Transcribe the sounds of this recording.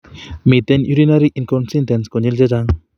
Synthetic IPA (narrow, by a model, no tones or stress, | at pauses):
mit̪enjuɾinaɾiʔinkɔnsintenskonild͡ʒed͡ʒaŋ